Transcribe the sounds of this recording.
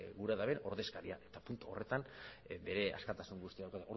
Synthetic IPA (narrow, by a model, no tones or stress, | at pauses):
ɣuɾaðaβe̞no̞ɾðe̞skaɾiaʔe̞̥t̪apunt̪uo̞̰re̞t̪anbe̞ɾe̞a̰skat̪asuŋɡust̪iaðawkat̪eoɾ